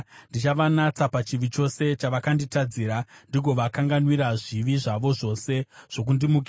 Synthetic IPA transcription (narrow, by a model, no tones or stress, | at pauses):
ndit͡ʃaʋanat͡sapat͡ʃiʋit͡ʃo̞se̞t͡ʃaʋakanditad͡ziːɾandiɡʱo̞ʋakaŋɡanwiɾaʐiʋiʐaʋo̞ʐo̞se̞ʐ̥o̞k̬undimukia